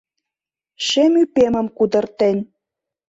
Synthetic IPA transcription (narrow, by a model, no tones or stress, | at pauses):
ʃemypemə̆mkud̪ɤ̆rt̪ĕnʲ